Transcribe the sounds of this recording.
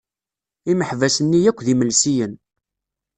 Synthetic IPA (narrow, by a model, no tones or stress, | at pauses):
iməħvæsənːijækʷːðiməlsijən